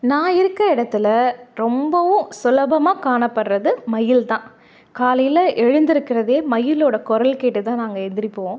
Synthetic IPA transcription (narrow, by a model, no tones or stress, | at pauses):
nãːɪɾɯkːɾɐɪɽɐt̪ːɪlɐɾɔmbɐʋʊ̃sʊlɐbɐmaːkaːɳɐpːɐɽɾɐðɯmɐjɪlt̪ãː | kaːlɐjɪlɐʔɛɻɯnd̪ɪɾɯkːɪɾɐðeːmɐjɪloːɽɐkɔɾɐlkeːʈːɯt̪ãːnaːŋɡɐɛnd̪ɪɾɪpːoːõː